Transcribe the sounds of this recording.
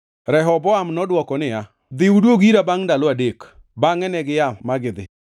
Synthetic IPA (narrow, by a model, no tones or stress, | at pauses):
ɾɛɦɔbɔamnɔdwɔkɔnɪa | d̪ɪudwoɡiɾabaŋdalʊadek | baŋɛnɛɡɪjamaɡɪd̪ɪ